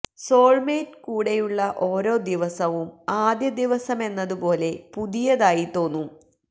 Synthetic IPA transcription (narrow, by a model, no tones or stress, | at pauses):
soːɻmeːtkuːɽe̞juɭːɐʔo̞ːɾo̞ːd̪iʋɐsɐʋumaːd̪jɐd̪iʋɐsɐme̞nːɐðupo̞ːle̞puðijɐðaːjit̪o̞ːnːu